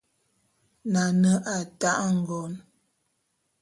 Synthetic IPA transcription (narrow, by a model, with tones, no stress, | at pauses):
na˨nə˨˦ʔa˨ta˦ʔŋ̩˨ɡɔ˨n